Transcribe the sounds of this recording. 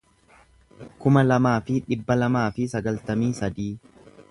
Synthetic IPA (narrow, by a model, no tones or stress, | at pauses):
kʊmɐlɐmaːfɪᶑɪbːɐlɐmaːfɪsɐɡɐlt̪ɐmiːsɐd̪iː